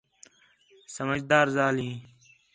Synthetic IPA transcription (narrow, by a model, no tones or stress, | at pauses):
səməd͡ʒd̪aːɾzaːlĩː